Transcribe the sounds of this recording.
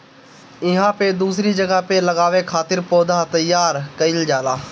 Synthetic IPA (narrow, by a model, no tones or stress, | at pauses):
ɪɦãːped̪uːsɾid͡ʒəɡapeləɡaːʋekʰaːt̪ɪɾpoːd̪ʱat̪ɐjːaːɾkəɪld͡ʒaːlaː